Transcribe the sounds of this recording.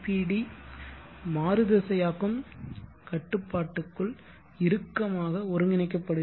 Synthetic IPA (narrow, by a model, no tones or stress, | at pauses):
piːɽi | maːɾɯðɐsɐjaːɣɯm | kɐʈːɯpːaːʈːɯkːɯɭ | ɪɾɯkːɐmaːɣɐɔɾɯŋɡɪnɐɪk̬ːɐpːɐɽɯ